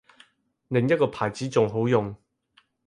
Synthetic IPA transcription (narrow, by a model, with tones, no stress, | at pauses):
lɪ˨ŋjɐ˥t̚kɔː˧pʰaː˨˩jt͡siː˨˥t͡sʊ˨ŋɦo˨˥wjʊ˨ŋ